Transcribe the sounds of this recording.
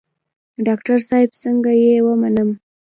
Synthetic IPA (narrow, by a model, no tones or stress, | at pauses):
ɖɑkʈaɾsɑjɪbsəŋɡajewəmanəm